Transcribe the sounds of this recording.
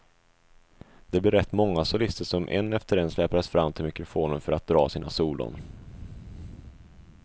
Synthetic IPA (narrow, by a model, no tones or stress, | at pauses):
d̪̥ɛblɪɾɛt̪ːmɔŋːasʊlɪst̪əʂɔmʔɛ̰nːɛft̪əɾɛnslɛːpaəsfɾamːt̪ʰɪlmɪkɾʊfoːnənfœɾat̪̚d̪ɾɑːsiːnasuːlʊ̰n